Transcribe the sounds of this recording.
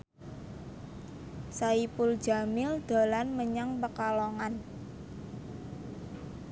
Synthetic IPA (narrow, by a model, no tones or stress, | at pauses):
saipʊld̥ʒa̤mɪld̪̥a̤lanməɲaŋpəkaloŋan